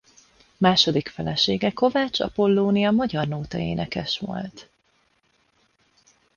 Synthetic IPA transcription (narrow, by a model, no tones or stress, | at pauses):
maːʃo̞d̪ikfɛlɛʃeːɡɛko̞vaːt͡ʃɒ̰po̞lːoːnijɒmɒɟɒrnoːt̪ɒḛːnɛkɛʃʋo̞̰lt̪